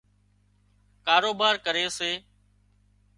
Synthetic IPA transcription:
kaːɾoːbaːɾkəɾeːseː

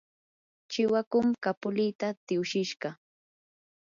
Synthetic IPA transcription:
t͡ʃɪwakʊmkapʊlɪjt̪at̪ɪʊʃɪʃɢɑ

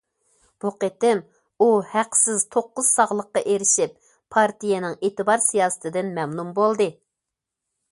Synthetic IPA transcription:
b̥uqet̪ɪm | uhæqsɪzt̪ʰoqːʊz̥sɑʁlˠəqːɑʔeɾɪʃɪp̚ʰ | ɑɾt̪ijɛnɪŋeːt̪ɨbɑɾsijɑːsɨ̥t̪ʰɪd̪ɪnmɛmnumbolˠd̪ɨ

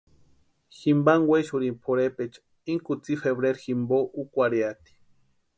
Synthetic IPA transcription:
ximbaŋweʃuɾimpʰoɾepet͡ʃ | iŋkut͡sifeβɾeɾximboʔukʷaɾjat̪i̥

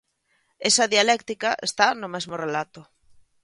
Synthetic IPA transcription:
esɐðialɛkt̪ikɐʔḛst̪anʊmeɛzmʊrelat̪ʊ

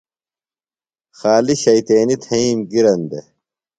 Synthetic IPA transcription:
xaːliɕɐjt̪eːnit̪ʰɐiːmɡiɾɐnd̪e

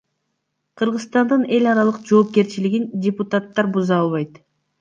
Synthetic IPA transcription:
qʰɯɾʁɯzst̪ɑnd̪ɯne̞lʲɑɾɑlˠɯqd͡ʒo̞ːp̚ke̞ɾt͡ʃiliɡindʲɪput̪at̪ːɑɾbuzɑɑlˠβɑjt̪

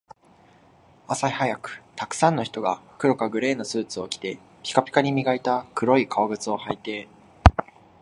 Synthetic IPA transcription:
asaihajakɯ̟̥t̪akɯ̟̥sãnːo̞çi̥t̪oɡa̰ɸɯ̥kɯ̟ɾo̞kaɡɯ̟ɾe̞ːno̞sɨːt͡sɨo̞kʲi̥t̪e̞ | kʲi̥kapʲi̥kaɲ̟imʲiɡait̪akɯ̟ɾo̞ikʰaoɡɯ̟t͡sɨo̞hait̪e̞

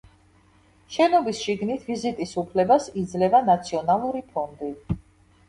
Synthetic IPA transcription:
ʃɛnɔbisʃiɡnit̪ʰvizit̪ʼisupʰlɛbasid̪zlɛvanat̪sʰiɔnalˠuɾipʰɔnd̪i

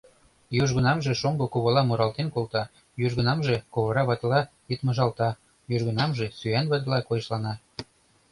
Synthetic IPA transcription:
joʒɣə̆nɑmʒeʃomɡokoβolɑmuɾɑlt̪enkolt̪ɑ | joʒɣə̆nɑmʒekoβoɾɑβɑt̪lɑ | jət̪mɤ̆ʒɑlt̪ɑ | joʒɣə̆nɑmʒesyænβɑt̪̬lɑkojɤʃlɑnɑ

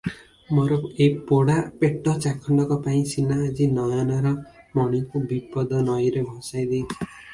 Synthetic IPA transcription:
moɾɔejpoɽapeʈɔt͡ʃakʰɔɳɖɔkɔpaĩsinaːd͡ʒinɔjanɔɾɔmɔɽ̃ikubipɔd̪ɔnɔjɾebʱɔ̃sajd̪et͡ʃʰi̥

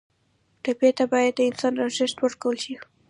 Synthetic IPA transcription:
ʈapjet̪abɑjad̪̚ːəɪnsɑnɾaʒɪʃt̪wəɾkawəlʃi

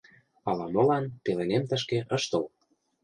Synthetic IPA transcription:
ɑlɑmolɑnp̪elenemt̪ə̆ʃ̬keʔə̆ʃt̪ə̆l

